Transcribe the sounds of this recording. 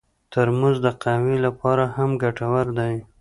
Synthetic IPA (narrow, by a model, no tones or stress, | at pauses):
t̪əɾmuzd̪əqawilapɑɾahamɡaʈawaɾd̪aj